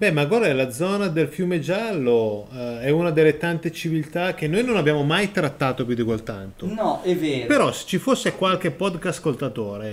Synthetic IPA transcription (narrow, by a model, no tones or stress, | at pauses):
bɛmaɡwaɾlad̪zɔːnad̪elfjumed͡ʒalːoɛunad̪elːet̪ant̪et͡ʃivilt̪ak̟ːenːojnonabjaːmomajt̪ɾat̪ːaːt̪op̬jud̪ikwelt̪a̰nt̪onɔɛveːɾpeɾɔse̥t͡ʃifosːekwalk̟epɔd̪kaskolt̪at̪oːɾe